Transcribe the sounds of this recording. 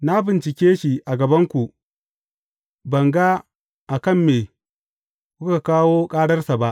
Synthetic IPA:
na˦bɪ˨nt͡ʃɪ˨kʲeː˦ʃi˨ʔa˨ɡɐ˨bɐ˦ŋkʷu˨ʔ | bɐ˨ŋɡa˦ | ʔa˨kɐ˦˨mːeː˨ | kʷu˦ka˨kaː˦woː˦kʼaː˦ɽɐ˦rsa˨ba˦ʔ

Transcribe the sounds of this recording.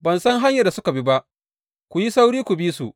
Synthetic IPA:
bɐ˨nsɐ˦ŋɦa˦ɲjɐ˨rda˨sʊ˦ka˨bi˦ba˦ʔ | kʷu˨ji˦sa˦wɽiː˦kʷu˨biː˦sṵ˨ʔ

